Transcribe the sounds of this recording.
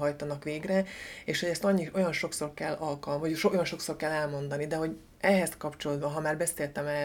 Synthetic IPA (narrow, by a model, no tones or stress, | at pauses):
ɦɒjt̪ɒnɒkʋeːɡrɛeːʃho̞ɟɛst̪ɒɲːio̞jɒnʃo̞kso̞rkɛlːɒlkɒlvɒʃojɒnʃo̞kso̞rkɛlːɛlmo̞nd̪ɒnid̪ɛɦo̞ɟ | ɛɦɛskɒpt͡ʃolod̪bɒɦɒmaːrbɛseːlt̪ɛmɛ